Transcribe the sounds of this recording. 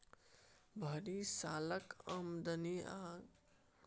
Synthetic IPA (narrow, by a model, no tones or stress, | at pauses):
bʱəɾisaːləkəmd̪ənia